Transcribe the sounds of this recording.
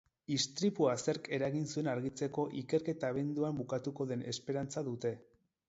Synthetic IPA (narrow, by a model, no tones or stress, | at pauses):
ist̪ɾipuase̞ɾke̞ɾaɣinsue̞naɾɣit͡se̞ko̞ʔike̞ɾke̞t̪aːβ̞e̞nd̪uambukat̪uko̞ðe̞nʔe̞spe̞ɾant͡saðut̪e̞